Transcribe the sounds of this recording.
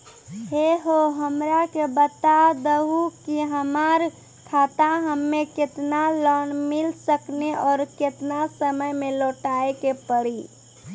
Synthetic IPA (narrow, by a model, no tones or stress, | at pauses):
ɦeɦoɦəmɾakebət̪ad̪əɦukiɦəmaɾ | kʰat̪aɦəmːekɪt̪nalɔnmɪlsəkneɔːɾket̪nasəməjmeloːʈaekepəɽi